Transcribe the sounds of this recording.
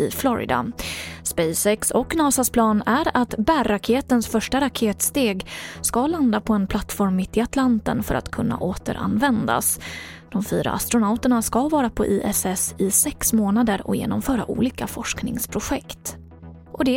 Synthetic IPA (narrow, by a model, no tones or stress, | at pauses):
ɪflɔɾɪ̰d̪a̰spɛjsɛksɔkːnɑːsaspʰlɑːnæɾat̪bærːakʰeːt̪ənsfœʂʈaɾakʰeːt̪st̪eːɡskaland̪apʰɔɛnpʰlat̪ːfɔɾmːɪt̪ːɪat̪lant̪ə̰nfœ̰ɾa̰t̪kʰɵnːa̰ʔoːt̪ə̰ɾʔa̰nvɛnd̪a̰s | d̪̥ɔmfyːɾa̰a̰st̪ɾʊnaʊt̪əɳaskavɑːɾapʰɔ̰ʔiːʔɛsɛsɪsɛksmoːnad̪əɾɔ̰jḛːnɔmfœːɾa̰ʔṵːliːkafɔʂknɪŋspʰɾʊɧɛkt̪ | ʔɔd̪ɛ